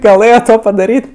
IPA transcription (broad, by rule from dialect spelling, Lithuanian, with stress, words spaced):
ɡɐˈlˠɘjoː ˈtoː pɐdɐˈrʲiːtʲ